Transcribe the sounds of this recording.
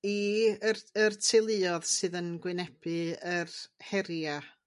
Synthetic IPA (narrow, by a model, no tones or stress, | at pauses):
iərərtʰɪlˠɨɔðsɨːðənɡwɪnɛb̥ɨərhɛɾja